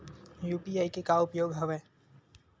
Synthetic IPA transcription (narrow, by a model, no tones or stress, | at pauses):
juːpiaːikekaʊpjoːɡɦɐʋeː